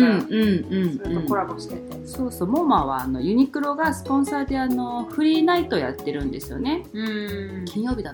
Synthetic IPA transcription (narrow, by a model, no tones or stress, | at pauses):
ɯ̃ɯ̟̃ɴɯ̟̃ɴõkoɾaboɕi̥t̪et̪eso̞ːso̞ːmomaβa̰ːno̞̰jɯ̟ɲ̟ikɯ̟ɾo̞ɡasɨ̥põ̞ɰ̃saːd̪e̞ano̞ɸɯ̟ɾʲiːnait̪o̞ja̰t̪ːe̞ɾɯ̟̃nd̪e̞sɨ̥jo̞̰ne̞ɯkʲĩɰ̃jo̞ːbʲid̪a